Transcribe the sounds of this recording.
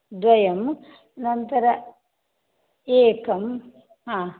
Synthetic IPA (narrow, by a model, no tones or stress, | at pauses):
d̪ʋɐjɐm | nɐnt̪ɐɾɐ | eːkɐm | ɦãː